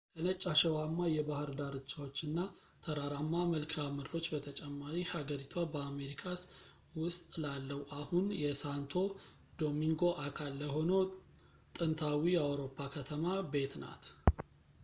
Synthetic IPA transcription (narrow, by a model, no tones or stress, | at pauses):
kʰənət͡ʃʼːaʃɛwamːajɛbahɨɾd̪aɾɨt͡ʃːawot͡ʃːɨnːa | t̪ʰəɾaɾamːaməlkʰamɨd̪ɾo̞t͡ʃːbət̪ʰət͡ʃʼɛmːaɾihaɡəɾit̪ʰwabəame̞ɾikʰas | wʊst̪ʼlalːəwʔahunjɛsant̪ʰo̞ | d̪o̞miŋɡo̞ʔakʰalːəho̞no̞ | t̪ʼɨnt̪ʰawijɛawɾo̞pʰːakʰət̪ʰəmabe̞t̪na̰t̪